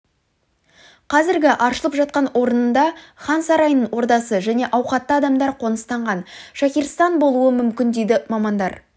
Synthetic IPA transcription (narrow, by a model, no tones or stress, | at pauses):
qʰɑzɪɾɡʲɪʔɑɾʃəlˠəpʒɑt̪̚qɑnwo̞ɾənənd̪ɑχɑnsɑɾɑjnəɴwo̞ɾd̪ɑsəʒæne̞ʔɑwqɑt̪ːəɑd̪ɑmd̪ɑɾqʰo̞nəst̪ɑɴʁɑnʃækʲiɾst̪ɑnbo̞lˠuəmʏmkʲɪnd̪ejd̪ɪmɑmɑnd̪ɑɾ